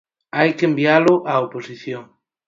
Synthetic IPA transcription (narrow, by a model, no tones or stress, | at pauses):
ajkembjaloʔaoposiθjoŋ